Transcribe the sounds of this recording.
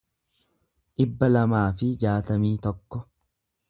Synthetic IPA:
ᶑɪbːɐlɐmaːfɪd͡ʒaːt̪ɐmiːt̪ɔkːɔ

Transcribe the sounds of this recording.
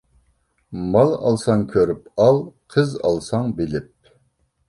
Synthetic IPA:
mɑlˠɑ̰lˠsɑŋkʲʰøɾypɑlˠqʰəzɑ̰lˠsɑŋbɪlɪp̚

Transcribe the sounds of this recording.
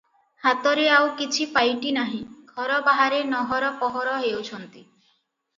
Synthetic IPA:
hat̪ɔɾeawkit͡ʃʰipajʈinaɦĩɡʱɔɾɔbaɦaɾenɔɦɔɾɔpɔɦɔɾɔɦewt͡ʃʰɔnt̪i

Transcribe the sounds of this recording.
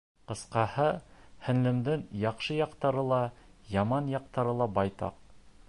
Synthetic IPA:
qɤ̆sqɑhɤhɘ̆nlɘ̆md̪ɘŋjɑqʃɤjɑqt̪ɑɾɤlˠɑjɑmɑnjɑq̚t̪ɑɾɤlˠɑbɑjt̪ɑ̰q

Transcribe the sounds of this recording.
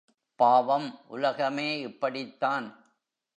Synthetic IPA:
paːʋɐmʔʊ̰lɐɣɐmeːɪpːɐɽɪt̪ːaːn

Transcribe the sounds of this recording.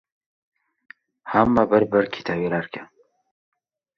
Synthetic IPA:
hamːabəɾbəɾkʰi̥t̪ʰabiɾaɾka

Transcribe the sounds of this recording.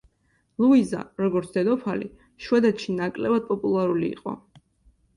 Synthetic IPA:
lˠuiza̰ɾɔɡɔɾt̪sʰd̪ɛd̪ɔpʰalḭ | ʃwɛd̪ɛt̪ʃinakʼlɛbad̪̚pʼɔpʼulˠaɾulḭːqʼɔ̰

